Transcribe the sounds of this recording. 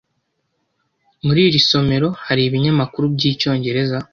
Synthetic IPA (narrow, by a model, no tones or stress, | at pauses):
muɾiːɾiso̞me̞ɾo̞haɾiβiɲamakuɾubɟiːco̞ːɲɟe̞ɾe̞za